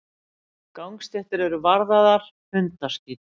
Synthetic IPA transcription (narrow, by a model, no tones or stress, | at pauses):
kawŋkst̪ɛht̪ɪɾɛɾʏvaɾðaðaɾ̥ | hʏnt̪ḁst̪iːt̪